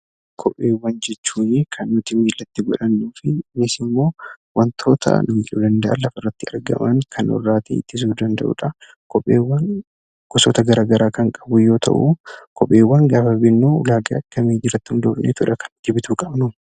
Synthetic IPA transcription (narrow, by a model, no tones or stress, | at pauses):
kʰɔpʼːeːwːɐnd͡ʒɛt͡ʃːuːjeːkʰɐnːʊt̪ɪmiːlːɐt̪ːɪɡɔᶑɐnːuːfɪnɪsɪmːo̞ːwʔɐnt̪ʰo̞ːt̪ʰɐ̰nʊmiːᶑud̪ɐnd̪ɐʔɐ̰lɐfɐrːɐt̪ːɪɐɾɡɐ̰mɐŋkʰɐnwɔ̰rːaːt̪ʰḛɪt̪ːɪs̬uːd̪ɐnd̪ɐʔṵːᶑɐ | kɔpʼːḛːwːɐn | ɡ̥ɔsoːt̪ɐɡɐɾaːɡɐɾaːkɐŋkʼɐbʊjo̞ːt̪ʰɐ̰ʔukɔpʼːeːwːɐŋɡaːfɐbɪnːuːlaːɡɐ̰ɐkːɐmeːd͡ʒɪɾɐt̪ːʊnd̪oːbnḛːt̪ʊᶑɐkɐnɪt̪ːɪbɪt̪uːkʼɐbnʊ